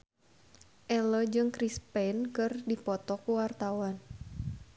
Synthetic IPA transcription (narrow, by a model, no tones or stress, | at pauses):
ʔɛlɔd͡ʒɨŋkɾispɛnkɨrdipɔt̪ɔkuwart̪awan